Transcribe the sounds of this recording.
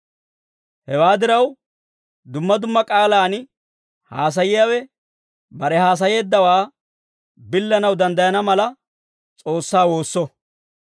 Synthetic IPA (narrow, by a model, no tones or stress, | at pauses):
hɛwaːd̪ɪɾɐw | d̪ʊmːɐd̪ʊmːɐkʼaːlaːnɪ | haːs̬ɐjɪjawɛ | bɐɾɛɦaːs̬ɐje̞ːd̪ːɐwaː | bɪlːɐnɐwd̪ɐnd̪ɐjɐnɐmɐlɐ | t͡sʼo̞ːsːaːwo̞ːsːɔ